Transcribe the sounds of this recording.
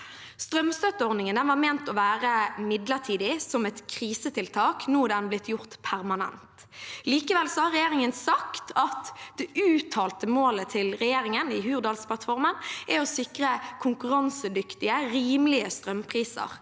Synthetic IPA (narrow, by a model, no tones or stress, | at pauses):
st̪ʁœmst̪œt̪ːəɔʁd̪nɪŋənɛnʋɑːʁmeːnt̪ɔʋæːʁəmɪd̪ləʁt̪ʰiːd̪ɪsɔmɛt̪kʰʁiːsət̪ʰɪlt̪ʰɑːknuːd̪ɛnblɪt̪jʊʁt̪pʰæʁmɑnɛ̰nt̪ | liːkəʋɛlsɔhɑɾʁɛjeːʁɪŋənsɑkt̪ʰɑt̪d̪̥ɛʔʉːt̪ʰɑːlt̪əmoːlət̪ʰɪlʁɛjeːɾɪŋənɪhʉːʁd̪ɑːlspʰlɑt̪fɔɾmənʔɛɔsɪkʁəkʰʊŋkʉʁɑnsəd̪ʏkt̪ɪəɾiːmlɪəst̪ɾœmpʰʁiːsə̰ʁ